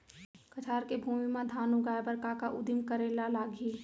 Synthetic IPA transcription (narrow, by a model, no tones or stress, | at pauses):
kət͡ʃʰaːɾkebʱuːmimãd̪ʱaːnuɡaːjbəɾkakaʔʊd̪imkəɾeːlalaːɡiː